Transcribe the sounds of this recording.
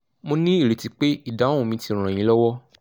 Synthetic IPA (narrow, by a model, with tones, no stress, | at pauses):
mo˧nĩ˦i˦˨ɾe˨ti˨˧˦k͡pe˦i˦˨da˨˦õ˦ũ˧mĩ˧tĩ˧˨ã˨j̃ĩ˨˦lɔ˦wɔ˦